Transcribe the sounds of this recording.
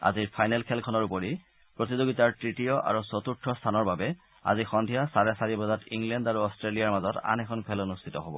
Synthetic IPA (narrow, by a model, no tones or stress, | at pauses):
a̰ziɹpʰajnɛlkʰɛlkʰɔnɔɹupoɹi | pɹotizoɡitaɹtɹitijɔʔa̰ɹusot̪uɹtʰːɔst̪ʰanɔɹbabɛ | a̰zixɔndʱijasaɹɛsaɹibɔzatiŋlɛndaɹuɔstɹelijaɹmazɔta̰nɛkʰɔnkʰɛlonust̪ʰi̥tɔɦobɔ̰